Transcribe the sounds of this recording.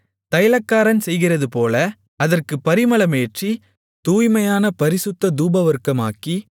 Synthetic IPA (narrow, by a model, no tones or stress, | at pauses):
t̪ɐjlɐkːaːɾɐnsɛjɣɪrɐðɯpoːlɐ | ɐðɐrkɯpɐɾɪmɐlɐmeːʈri | t̪uːjmɐjaːnɐpɐɾɪsʊt̪ːɐd̪uːbɐʋɐɾkːɐma̰ːkːi